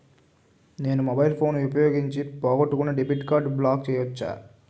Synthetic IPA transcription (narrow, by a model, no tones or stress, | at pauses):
ne̞ːnumobɐjilpʰo̞ːnupɐjoːɡiɲt͡ʃipɔːɡɐʈːukunːɐɖibiːʈkaːɾɖblaːk̚t͡ʃɛːjɐʋɐt͡ʃːa̰ː